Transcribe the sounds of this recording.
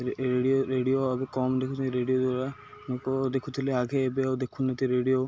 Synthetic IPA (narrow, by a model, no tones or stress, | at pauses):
ɾeɖioɾeɖioabɛkɔmd̪ekʰut̪ʰiiɾeɖiod̪waɾa | nokod̪ekʰut̪ʰileaɡʱeːbeawd̪ekʰunːet̪iɾeɖio